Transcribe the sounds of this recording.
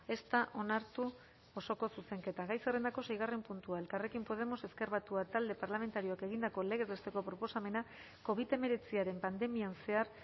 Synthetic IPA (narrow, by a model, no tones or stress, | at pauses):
e̞st̪aʔo̞naɾt̪u | o̞so̞ko̞suse̞ŋke̞t̪aɣajsere̞nd̪ako̞se̞jɣ̞are̞mpunt̪uaelkare̞kimpo̞ð̞e̞mo̞se̞ske̞ɾβat̪uat̪ald̪e̞paɾlame̞nt̪aɾio̞ake̞ɣ̞ind̪ako̞le̞ɣe̞zβe̞st̪e̞ko̞pɾo̞po̞same̞na | ko̞βit̪e̞me̞ɾe̞t͡siaɾe̞mpand̪e̞mianse̞aɾ